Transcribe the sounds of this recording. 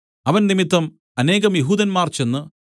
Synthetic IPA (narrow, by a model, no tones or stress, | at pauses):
ɐʋɐnnimit̪ːɐm | ɐne̞ːɣɐmjeɦuːd̪ɐnmaːrt͡ɕenːɨ